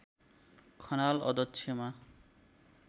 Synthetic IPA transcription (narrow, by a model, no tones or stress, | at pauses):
kʰɔnalɔ̰d̪ɔt̪ːʃʰema